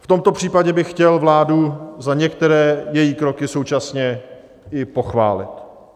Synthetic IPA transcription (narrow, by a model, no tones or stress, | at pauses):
ft̪o̞mt̪o̞pr̝̥iːpaɟɛbɪxcɛlvlaːduzaɲɛkt̪ɛɾɛːjɛjiːkɾo̞kɪso̞wt͡ʃasɲɛ | ɪpo̞xva̰ːlɪ̰t̪